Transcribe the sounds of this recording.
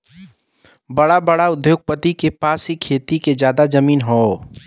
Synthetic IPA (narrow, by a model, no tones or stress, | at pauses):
bəɽabəɽaʊd̪joːɡ̚pət̪ikepaːsɦikʰeːt̪iked͡ʒjaːd̪ad͡ʒəmiːnɦoː